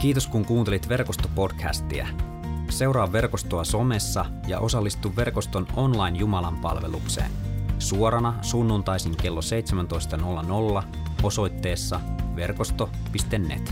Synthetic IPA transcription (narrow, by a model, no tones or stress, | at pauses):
k̟iːt̪o̞skuŋkuːnt̪elit̪ʋe̞rkost̪o̞po̞dkʰæ̰st̪iæ̰ | se̞uwɾɑːʋːe̞rko̞st̪oɑso̞me̞sːɑ | jɑ̰ʔo̞sɑlːist̪uʋːe̞rko̞st̪o̞no̞nlɑjnjumɑlɑmpɑ̰lʋe̞̰lukse̞̰ːnsuoɾɑnɑsunːunt̪ɑjsiŋke̞lːose̞jt̪semænt̪o̞jst̪ɑno̞lːɑno̞lːɑ | o̞so̞jt̪ːe̞ːsːɑʋe̞rko̞st̪o̞ | pist̪enːḛt̪